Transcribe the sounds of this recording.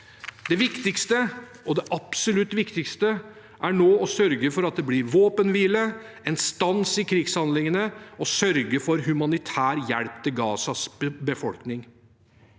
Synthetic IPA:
d̪ɛʋɪkt̪ɪkst̪ə | ɔd̪ɛʔɑpsɔlʉt̪ːʋɪkt̪ɪkst̪ə | ʔæɳoːɔsœɾɡəfɔɾɑt̪̚d̪ɛblɪɾʋoːpənʋiːlə | ɛnst̪ɑnsɪkʰɾɪɡshɑnd̪lɪŋənəɔsœɾɡəfɔɾɦʉmɑnɪt̪ʰæːɾjæɽpt̪ʰɪlɡɑːsɑsbəfɔ̰lknɪŋ

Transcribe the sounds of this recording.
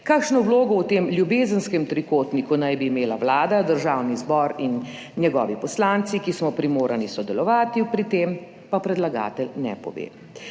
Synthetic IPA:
kaːkʃnɔbloːɡɔwt̪eːmljubeːzənskɛmt̪ɾikoːt̪nikunajbiːmeːlawlaːd̪ad̪əɾʒawnizbɔːɾinː | jɛɡɔ̰ːʋipɔslant̪sikismɔpɾimoːɾanisɔd̪ɛlɔʋaːt̪ipɾit̪em | papɾɛd̪laɡa̰ːt̪ɛlnɛ̰pɔ̰ʋḛː

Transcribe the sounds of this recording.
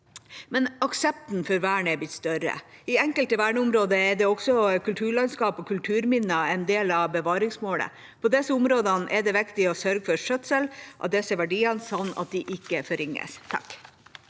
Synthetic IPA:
mɛnɑksɛp̚t̪nfɔɾʋæːɳɛbɪt̪st̪œɾə̰ɪɛŋkəlt̪əʋæːɳəʊmɾoːd̪əɛɖɛɔksɔkʉlt̪ʰʉːɭɑnskɑːpɔkʰʉlt̪ʰʉːɾmɪnːəɑɛnd̪eːlɑbəʋɑːɾɪŋsmoːlə̰ | pʰɔd̪ɛsəʊmɾoːd̪ɑnʔɛɖɛʋɛkt̪ɪɔsœɾɡəfɔɾʂœt̪səlʔɑt̪̚d̪ɛsəʋæɖiːɑnsɑnːɑ̰t̪̚d̪ɪʔɪkːəfɔɾɪŋːə̰st̪ʰɑ̰k

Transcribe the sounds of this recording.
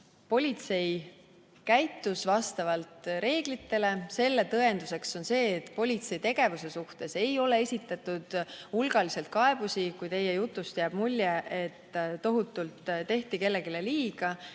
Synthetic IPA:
po̞lʲit̪se̞j | kæjt̪ːˑusvɑst̪ɑvɑlt̪ɾe̞ːɡ̥lit̪ːe̞le̞se̞lːe̞t̪ɤe̞nd̪use̞kso̞nse̞ːt̪ːˑpo̞lʲit̪se̞it̪e̞ɡ̥e̞vuse̞suht̪e̞se̞jo̞le̞esʲit̪ːˑɑt̪ːˑud̪̥ulɡ̥ɑlise̞lt̪̚kɑe̞b̥usikujt̪e̞jejut̪ˑːust̪jæb̥mulʲːjeʔet̪ːo̞ɦut̪ːˑult̪t̪ːe̞ht̪ike̞lːe̞ɡile̞liːɡ̥ɑ

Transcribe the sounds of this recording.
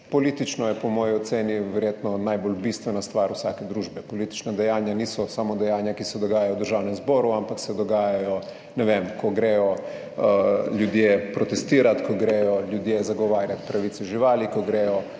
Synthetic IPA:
poliːt̪it͡ʃnɔjɛpomoːjɔɔt̪seːniʋɛɾjeːt̪nɔnajbolbiːst̪ʋɛnast̪ʋaːɾusaːked̪ɾuːʒbɛpolit̪i̥t͡ʃnad̪ɛjaːnjaniːsɔsamod̪ɛjaːnjakisɛd̪oɡaːjajoud̪əɾʒaːwnɛmzboːɾuampaksɛd̪ɔɡaːjajɔ | nɛʋemkoɡɾeːjɔ | ʎud̪jeːpɾot̪est̪iːɾat̪koɡɾeːjɔʎjud̪jeːzaɡoʋaːɾjat̪pɾaʋiːt̪sɛuʒiʋaːlikoɡɾeːjɔ

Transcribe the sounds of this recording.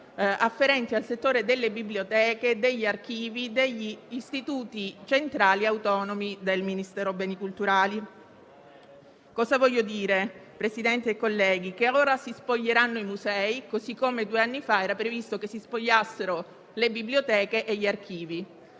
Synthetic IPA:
afːeɾɛnt̪ialset̪ːoːɾed̪elːebiblijot̪ɛːked̪eʎːiark̟iːvid̪eʎːiːst̪it̪uːt̪it͡ʃent̪ɾaːliawt̪ɔnomid̪elminist̪ɛːɾobɛːnikult̪uɾaːli | kɔːzavɔʎːod̪iːɾepɾesid̪ɛnt̪ieːkːolːɛːɡ̟ikeaoːɾasispoʎːeɾanːoimuzɛːikozikːomed̪uːeanːifaɛːɾapɾevist̪okesːispoʎːasːeɾo | lebiblijot̪ɛːkeʔeʎːiark̟ʰiːvi

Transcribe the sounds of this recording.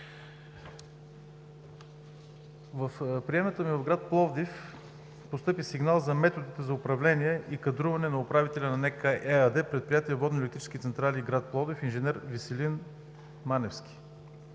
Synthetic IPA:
vəfpɾijɛmət̪əmivɐvɡɾat̪̚plˠɔvd̪if | post̪ɤpisiɡnalˠzɐmɛt̪od̪it̪ɛzɐʊpɾɐvlɛniɛʔikɐd̪ɾuvɐnɛnɐʊpɾavit̪ɛlʲɐnɐnɛkəʔɛəd̪ɛpɾɛt̪̚pɾijat̪iɛvɔd̪nolɛk̚t̪it͡ʃɛ̥skʲit̪sɛnt̪ɾaliɡɾat̪̚plˠɔvd̪ɛfinʒɛnɛɾvisɛlin | manɛfsk̟ʲi̥

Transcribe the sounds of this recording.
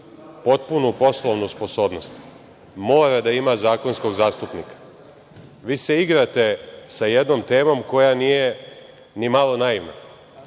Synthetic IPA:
po̞t̪̚punupo̞slˠoʋnuspo̞so̞ːbno̞st̪ | mo̞ːɾad̪aimazaːko̞nsko̞ɡzaːst̪upnikḁ | ʋiːse̞iɡɾat̪e̞sajed̪no̞mt̪e̞ːmo̞mko̞janije | nimalˠo̞naimma̰

